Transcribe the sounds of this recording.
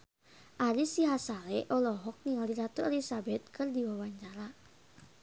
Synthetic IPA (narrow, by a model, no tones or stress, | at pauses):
ʔaɾisiɦasalɛʔɔlɔɦɔk̚niŋaliɾat̪uɛlisabɛt̪̚kɨrdiwawaɲt͡ʃaɾa